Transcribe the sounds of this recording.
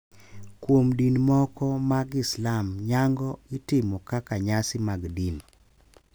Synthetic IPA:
kwomdinmɔkɔmaɡɪslamɲaŋɡɔitɪmɔkakaɲasɪmaɡdin

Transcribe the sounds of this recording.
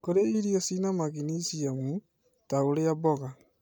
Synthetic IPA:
koɾeiɾiɔsinamaɣinisiamu | taoɾeabɔɣa

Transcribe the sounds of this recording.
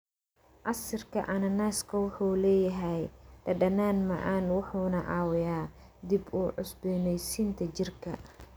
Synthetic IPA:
ʔɐsɪrkʰɐ̰ʔɐnɐnaːskʰɐwʊħuːlɛːjɐɦɛjdɐɖɐnaːnmɐ̰ʔaːnwʊħuːnɐʔɑːwɪjaː | d̪ibuːʕʊsbɛnɛjsiːnt̪ʰɐt͡ʃɪrkʰɐ̰

